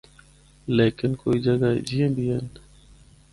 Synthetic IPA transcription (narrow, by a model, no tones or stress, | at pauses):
leːkɪnkoːid͡ʒəɡaḛd͡ʒiːẽːbʱiɦen